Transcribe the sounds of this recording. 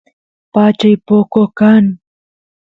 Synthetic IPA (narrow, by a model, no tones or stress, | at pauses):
pat͡ʃajpokokaŋ